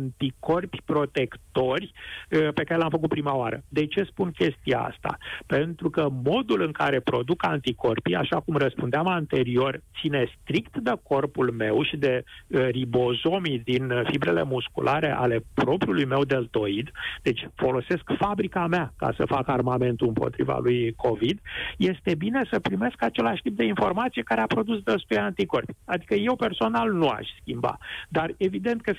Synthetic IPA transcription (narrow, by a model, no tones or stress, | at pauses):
nt̪iko̞rpʲpɾo̞t̪e̞kt̪o̞rʲpe̞kaɾe̞lamfəkut̪̚pɾimaoaɾə̰d̪e̞t͡ʃe̞spunkʲe̞st̪ija̰a̰st̪a̰pe̞nt̪ɾukəmo̞d̪ulɨŋkaɾe̞pɾo̞d̪ukant̪iko̞rpija̰ʃakumrəspund̪eamant̪e̞ɾio̞rtt̪sine̞st̪ɾikt̪d̪eko̞rpulme̞wʃid̪e̞ribo̞zo̞mid̪infibɾe̞le̞̰muskṵlʔaɾe̞̰ʔale̞pɾo̞pɾiulujme̞wd̪e̞lt̪o̞id̪d̪̥e̞t͡ʃʲfo̞lo̞se̞skfabɾikameaka̰sə̰fakarmame̞nt̪uɨmpo̰t̪ɾḭva̰lujkʰo̞vid̪je̞st̪e̞bine̞səpɾime̞skat͡ʃe̞laʃt̪ip̚d̪e̞info̞rmat̪sije̞kaɾeapɾo̞d̪usd̪əst̪ojant̪iko̞rpiad̪ikəje̞wpe̞rso̞nalnua̰ʃʲskʲimba̰d̪are̞vid̪e̞nt̪̚kə